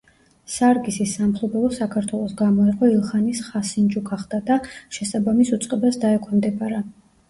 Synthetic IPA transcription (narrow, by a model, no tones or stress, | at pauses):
saɾɡisisːamχlˠɔbɛlˠɔsakʰaɾt̪ʰwɛlˠɔsɡamɔiqʼɔilˠχanisχasind͡ʒukʰaχd̪ad̪aʃɛsabamisut̪sʼqʼɛbasd̪aɛkʰɔnmd̪ɛbaɾa